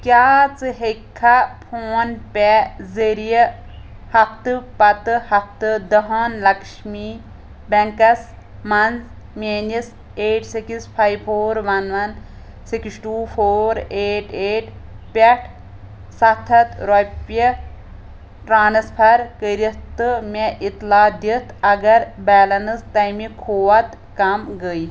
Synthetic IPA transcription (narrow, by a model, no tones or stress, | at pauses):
kʲjaːt͡sɨɦekʰːɐpʰoːnpʲɛzeɾijɐ | hɐk̚t̪ɨpɐt̪ɨhɐk̚t̪ɨd̪ɐɦɐnlɐkʃmi | bɛ̃ŋkɐs | mɐnz | menis | eːʈsikispʰaːjbpʰoːɾʋɐnʋɐn | siksʈuːfʰoːɾeːʈʰeːʈ | pʲɐʈʰ | sɐt̪ʰɐt̪ɾɔpɐ | ʈɾaːnɐspʰɐɾkəɾit̪ɨmʲeʔit̪laːd̪it̪ʰɐɡɐɾbɛːlɐnɨst̪ɐjmikʰoːʋɐt̪ | kɐmɡəi